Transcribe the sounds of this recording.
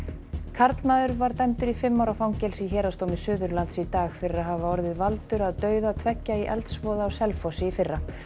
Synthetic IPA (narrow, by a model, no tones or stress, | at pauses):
kʰaɾt̪lmaːðʏɾvaɾt̪ɛmt̪ʏɾifɪmːawɾafawŋcɛlsiçɦɛːɾast̪owmɪsʏːðʏɾlant̪sit̪aːɣfɪɾɪraɦavaɔɾðɪðvalt̪ʏɾaðt̪œːɥðat̪ʰvɛcːaiʔɛ̰lt̪svɔːðaːwsɛlfɔsɪifɪrːa